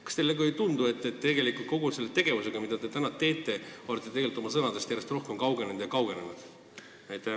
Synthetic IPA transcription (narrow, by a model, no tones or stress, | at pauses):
kɑ̥st̪elːeɡuejt̪und̪ue̞t̪ːˑet̪ːe̞ɡe̞likult̪̚ko̞ɡ̥use̞lːet̪e̞ɡ̥e̞vuse̞ɡ̥ɑmid̪̥ɑd̪e̞t̪ænɑt̪e̞ːt̪ˑːe̞olet̪ːˑet̪eɡe̞lit̪ːo̞mɑsɤnɑd̪e̞st̪jæɾe̞st̪ro̞hke̞mkɑwɡenend̪jɑkɑwɡe̞nenud̪̥ | ɑjt̪ːæ